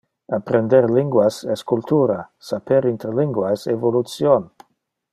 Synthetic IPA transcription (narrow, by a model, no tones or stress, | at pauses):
apɾend̪eɾliŋɡwasɛskult̪ʰuɾasapeɾint̪ɾeliŋɡwajsevolut̪sjon